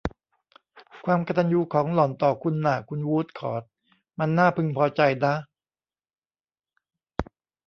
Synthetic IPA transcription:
kʰwaː˧mka˧t̪a˧njuː˧kʰɔː˩˦ŋlɔː˨˩nt̪ɔː˨˩kʰu˧nːaː˨˩kʰu˧nwuː˦˥t̪̚kʰɔ̰ː˨˩t̪̚ | ma˧nːaː˥˩pʰɯ˧ŋpʰɔː˧t͡ɕa˧jdaː˦˥˩

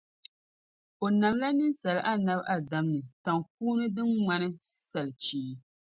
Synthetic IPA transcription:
o˨na˨mla˦nɨ˦nsa˨lɨ˦ʔa˦na˦bʔa˨da˨mnɨ˨ta˨ŋk̚uː˦nɨ˦dɨ˦nŋa˦nɨ˦sa˨lɨ˨t͡ʃiː˨˦

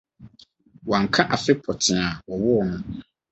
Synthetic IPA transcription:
wã˨ŋ̩˨kʰã˦ʔa˨fɪ˦pʰɔ˨tʰɪ̃˨a˨wɔ˨wɔ˦˨nʊ̃˦

